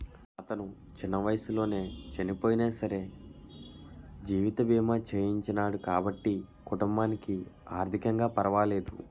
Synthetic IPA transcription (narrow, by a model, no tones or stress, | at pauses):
ɐt̪ɐnu | t͡ʃinːɐʋɐjɐsulo̞ːne̞ːt͡ʃɐnipo̞ːjineːsɐɾe̞ː | d͡ʒiːʋit̪ɐbiːmat͡ʃeːjiɲt͡ʃɐnaːɽukaːbɐʈːi | kuʈumbaːnikiaːɾt̪ʰikɐŋɡaːpɐɾɐʋaːle̞ːd̪ṵ